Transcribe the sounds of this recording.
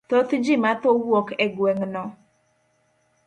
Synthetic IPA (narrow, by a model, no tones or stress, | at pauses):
t̪ot̪id͡ʒimat̪owɔkɛɡwɛŋnɔ